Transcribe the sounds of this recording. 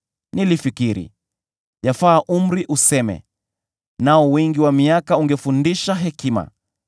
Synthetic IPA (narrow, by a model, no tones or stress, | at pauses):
nilifikiɾḭ | jafaːʔum̩ɾiʔusɛmɛ̰ | naɔwɛŋɡiwamiakauŋɡɛfundiʃaɦɛkima̰